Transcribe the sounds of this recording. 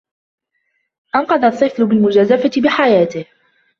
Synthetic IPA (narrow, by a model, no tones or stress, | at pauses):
ʔɑnqɑd̪ˤɑʔt̪ˤːɨflʊbɪlmʊd͡ʒaːzafat̪ɪbɪħajaːt̪ɪh